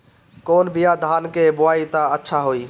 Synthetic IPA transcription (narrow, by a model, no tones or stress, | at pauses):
koːnbʱijad̪ʱaːnkebʊaːit̪aətːʃʰaɦoiː